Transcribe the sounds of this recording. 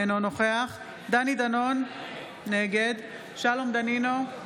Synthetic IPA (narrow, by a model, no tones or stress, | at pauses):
nono̞χe̞aχ | d̪anid̪ano̞nː | eɡed̪ | ʃalo̞md̪anino